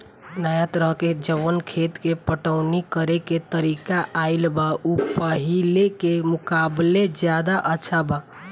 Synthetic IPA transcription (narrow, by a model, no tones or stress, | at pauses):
najət̪ɾəɦked͡ʒəʋənkʰet̪kepəʈəʊnikəɾeket̪əɾikaʔʔailbaupəɦilekemʊkabled͡ʒjad̪aʔətːʃʰaba